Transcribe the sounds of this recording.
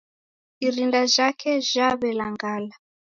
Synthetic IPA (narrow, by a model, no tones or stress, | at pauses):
iɾindaʒakʰɛʒ̥aβɛlaŋɡaːla